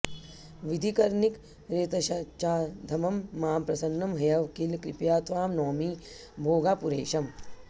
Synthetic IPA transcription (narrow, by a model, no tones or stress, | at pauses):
ʋid̪ʱikɐɾnik | ɾeːt̪ɐʃɐt͡ʃaːd̪ʱɐmɐmːaːmpɾɐsɐnːɐmɦɐjɐʋkilkɾɪpjaːt̪ʋaːmnɔːmi | bʱoːɡaːpuɾeːʃɐm